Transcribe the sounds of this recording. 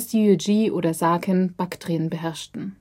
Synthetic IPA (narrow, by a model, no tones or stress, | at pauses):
suod͡ʒiːʔo̰ːɾɐzaːkʰənb̥aktʁ̥eːənbəɦɛɐʃtn̩